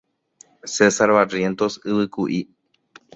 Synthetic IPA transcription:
sesaɾβarje̞nt̪o̞sɨβɨkuʔi

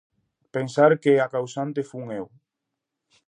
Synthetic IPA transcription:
pensaɾkeakawsant̪efuŋew

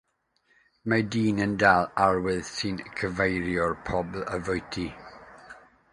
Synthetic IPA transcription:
madiːnəndalˠarwɪðsinkʰəvejɾjɔrpʰɔblˠəvʊjtʰi

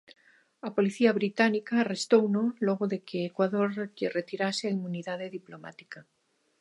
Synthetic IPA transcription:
apo̞liθiaβɾit̪anikaːrest̪ownoloɣ̞oðekeːkwaðoɾʎeret̪iɾaseaimuniðaðeðiploma̰t̪i̥ka

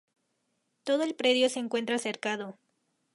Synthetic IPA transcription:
t̪o̞ðo̞elpɾe̞ðjo̞seːŋkwe̞nt̪ɾaseɾkaðo̞

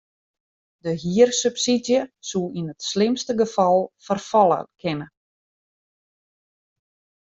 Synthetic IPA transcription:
dəɦiərsypsidjəsulˠinətslɪmstəɡəfɑlˠfərfɔlˠə̰kʰɪnə

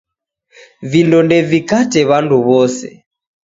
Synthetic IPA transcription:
vindɔndɛvikatɛβanduβɔsɛ̰

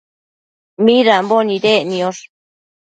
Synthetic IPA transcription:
mĩɾambonĩɾenĩoʂ

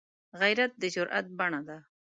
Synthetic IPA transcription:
ɣajɾat̪̚d̪əd͡ʒʊɾʔa̰t̪̚baɳad̪a

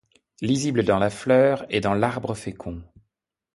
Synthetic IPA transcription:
lizibləd̪ɑ̃laflœːʁed̪ɑ̃laʁbʁəfekʰɔ̃

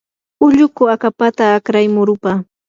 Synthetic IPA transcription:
ʊʎʊkʊakapat̪aːkɾajmʊɾʊpaː

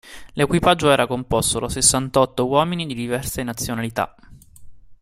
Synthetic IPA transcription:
lekwipad͡ʒːoɛːɾakompɔst̪od̪asesːant̪ɔt̪ːowɔːminid̪id̪ivɛrsenat̪sːjonalit̪a̰

